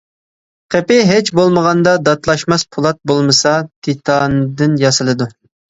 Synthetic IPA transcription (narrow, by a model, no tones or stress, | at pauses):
qʰepɪɦɪt͡ʃbolˠməʁɑnd̪ɑd̪ɑt̪lˠɑʃmɑspʰulˠɑt̪̚bolˠmɨsɑt̪ʰit̪ʰɑnd̪ɨnjɑsɨlˠɨd̪u